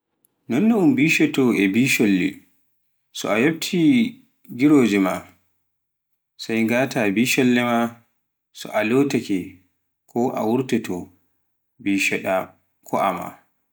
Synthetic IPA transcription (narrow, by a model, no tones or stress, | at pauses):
nɔnːuumbiːʃɛtɔʔɛbiʃolːḭ | sɔ̰ajob̚tʰi | ɡiɾoːd͡ʒɛma | sajŋɡaːtabiːʃɔlːɛma | sɔ̰ʔalotakɛ | kʰɔʔa̰wuɾtɛtɔ | biːʃɛɗa | kʰɔʔa̰ma̰